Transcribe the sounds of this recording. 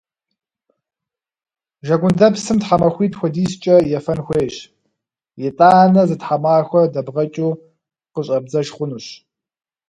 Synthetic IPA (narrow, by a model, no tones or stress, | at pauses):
ʒɐɡʷʊndɐpsɨmtħamɐxʷiːtxʷɔdiːst͡ʃʼɐjɛfɐnxʷeːɕ | jɛtʼaːnɐzɨtħamaːxʷɔdɐbʁɐt͡ʃʼuː | qəɕʼɐbzɐʒχʷʊnuɕ